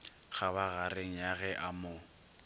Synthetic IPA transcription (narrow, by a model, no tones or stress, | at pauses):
ɣaβaɣareŋ̩jaɣɛʔamo